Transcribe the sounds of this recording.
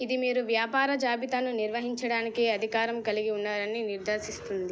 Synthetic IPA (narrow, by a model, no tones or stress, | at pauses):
id̪imiːɾuʋjaːpaːɾɐd͡ʒaːbit̪anuniɾʋɐɦiɲt͡ʃɐɽaːnikeɐd̪ʱikaːɾɐmkɐliɡiunːaːɾɐniniɾd̪ɐːsist̪und̪i